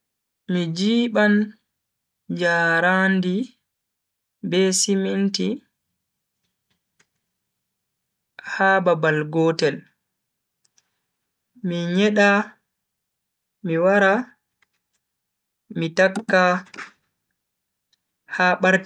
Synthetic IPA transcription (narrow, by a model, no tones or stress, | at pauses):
mid͡ʒiːɓan | d͡ʒaɾandi | bɛsiminti | haːbabalɡɔːtɛl | miɲɛɗa | miwaɾa | mitakːa | haːɓaɾti